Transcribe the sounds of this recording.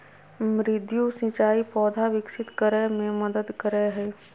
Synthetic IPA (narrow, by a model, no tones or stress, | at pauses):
mɾɪd̪jusɪ̃t͡ʃaːipɔːd̪ʱaʋɪksɪt̪kəɾəmẽməd̪əd̪kəɾəɦɛː